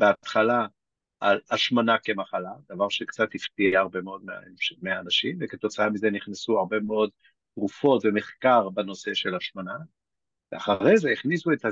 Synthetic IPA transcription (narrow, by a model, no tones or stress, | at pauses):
beat̪χala | alaʃmanake̞maχalad̪avaʁʃekt͡sat̪hift̪iaʁbe̞meo̞d̪mea̰ʃmeaːnaʃimveket̪o̞t͡saamizeniχnesuaʁbe̞meo̞d | tʁufo̞tve̞meχkaʁbano̞se̞ʃe̞laʃmana | veaχaʁezeiχnisueta